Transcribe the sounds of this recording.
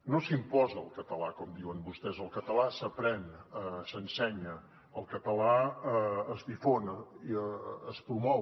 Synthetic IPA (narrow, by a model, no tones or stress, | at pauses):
nosimpɔzəːlˠkət̪əlakɔmd̪iwənbust̪ɛzəlˠkət̪əlasəpɾɛnəsənsɛɲə | əlˠkət̪əla | əzdifonəiːspɾumɔ